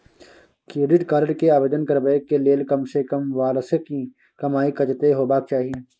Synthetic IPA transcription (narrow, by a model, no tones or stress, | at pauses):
kɾeːɖɪʈkaɾɖkeaːʋeːd̪ənkɐɾbeekeleːlkɐmsekɐmʋaːlsəki | kɐmaːikɐt͡ʃt̪eɦoːbaːk̚t͡ʃaːɦiẽː